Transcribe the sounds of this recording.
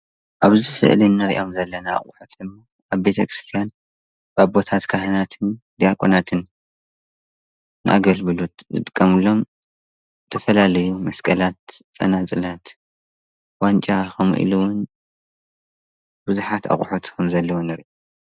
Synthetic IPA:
ʔaβzifɨ̰ʔlinːɨɾḭʔo̞mzɐlːɐna̰ːχʼṵħot̪ʰɨmːo | ʔaβbe̞t̪ʰɐkʰɾist̪ʰijan | baβbo̞t̪ʰat̪kʰahɐnat̪ʰɨnd̪ijakʼonat̪ʰɨn | ɨ̰ʔa̰ɡɐlβɨlut̪zɨ̰t̪ʼɨkʼːɐmɨlːo̞m | t̪ʰɐfɐlalɐjumɐskʰʼɐlat̪̚t͡sʼːɐ̰nat͡sʼɨlat̪ | want͡ʃʼaxʰɐmʔḭluwʊn | bɨzuħat̪ʰa̰χʼħut̪kʰɐmzɐlːɐwonɨɾʔo

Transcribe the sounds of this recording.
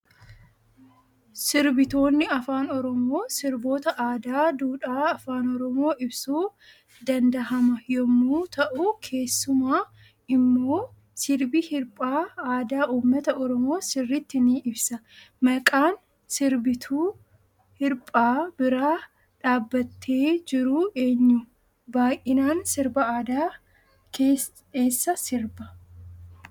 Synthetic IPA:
sɪɾbɪt̪o̞ːnːɪɐfaːnɔɾɔmo̞ːsɪɾbo̞ːt̪ɐʔaːd̪aːd̪uːᶑaːɐfaːnɔɾɔmo̞ːʔɪbsuː | d̪ɐnd̪ɐɦɐmɐjɔmːuːt̪ʰɐʔuːkʰe̞ːsːʊmaː | ɪmːo̞ː | sɪɾbihɪɾpʼaːaːd̪aːʔuːmːɐt̪ɐɔɾɔmo̞ːsɪrːɪt̪ːɪniɪbsɐ | mɐkʼaːn | sɪɾbɪt̪ʰuː | hɪɾpʼaːbɪɾaː | ᶑaːbːɐt̪ʰːe̞ːd͡ʒɪɾʊʔe̞ːɲːʊ | baːʔɪnaːnsɪɾbɐaːd̪aː | ke | e̞ːsːɐsɪɾbɐ

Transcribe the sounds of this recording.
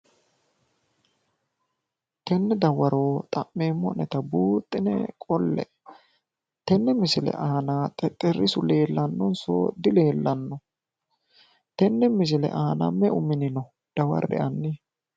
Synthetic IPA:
t̪ɛnːɛd̪ɐwɐɾoːt̪ʼɐmːeːmːɔnɛt̪ɐbuːt̪ʼːɪnɛ̰kʼɔlːɛ̰ | t̪ɛnːɛmɪsɪlɛ̰ʔaːnaːt̪ʼɛt̪ʼɛrɪsʊle̞ːlːɐnːɔnso̰ːd̪ɪle̞ːlːɐnːɔ | t̪ɛnːɛmɪs̬ɪlɛ̰ʔaːnɐ̰mːɛʊmɪnɪnɔ | d̪̥ɐwɐ̰ɾɛ̰ʔɐnːɪ

